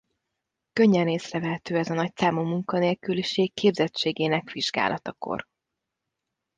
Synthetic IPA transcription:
køɲːɛneːsrɛvɛɦɛt̪øːɛzɒnɒc̚tsaːmoːmuŋkɒneːlkyliʃeːkːʰeːbzɛt͡ʃːeːɡeːnɛkʋiʒɡa̰ːlʔɒt̪ɒko̰r

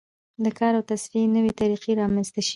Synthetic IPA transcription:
d̪əkʰɑɾawt̪asfienəwet̪aɾiqeɾɑmanst̪aʃi

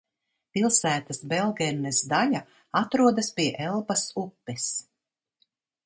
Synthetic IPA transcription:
pilˠsæːt̪asbɛlˠɡɛɾnːɛsd̪ala | at̪ɾuɔd̪aspiɛʔɛlˠpasupːɛs

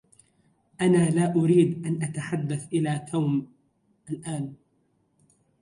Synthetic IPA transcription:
ʔanaːlaːʔʊɾiːd̪ʔanʔat̪aħad̪ːaθʔɪlaːt̪ʰaːm | ʔalʔaːn

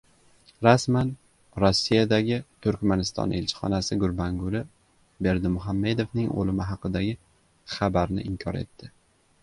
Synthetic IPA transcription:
ɾasman | ɾosːijad̪aɡʲɪt̪ʰʊɾkʲmanɪst̪ɒ̰nʔe̞lt͡ʃʰɪ̥χɒ̰nasɪɡʊɾbaŋɡʊlɪ | be̞ɾd̪ɪmʊɦamːe̞d̪o̞vnɪŋo̰lɪmɪɦɑqɨd̪aɡʲɪ | χabaɾnɪ̰ʔɪmkʲʰɒɾe̞̰t̪ʰːɪ

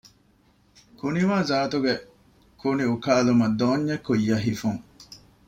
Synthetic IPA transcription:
kuniʋaːzaːt̪uɡe | kuniukaːlumɐd̪oːɲːɐkːujːɐɦifuŋ

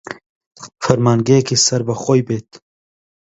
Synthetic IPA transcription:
fɐɾmaːnɡekʰisɐɾbɐχojbet̪

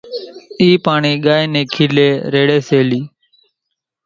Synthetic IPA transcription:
iːpaːɳiːɠaːeːneːkʰiːleːɾeːɽeːseːliː

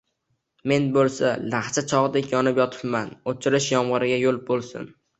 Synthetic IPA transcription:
me̞nbolˠsalaχt͡ʃʰat͡ʃʰɒʁɨd̪ekʲjɒnɪpjɒt̪ʰɪ̥pmanot͡ʃʰɪɾɪʃjɒmʁɑɾɪɡʲajolˠbolˠsɪ̰n

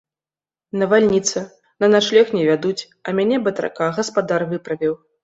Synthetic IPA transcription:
nɐvalʲnʲit̪sɨ | nɐnaʂlʲɛxnʲɛvʲad̪ut͡sʲ | ɐmʲanʲɛbɐt̪ɾa̰kaɣɐspad̪arvɨpɾɐvʲiw

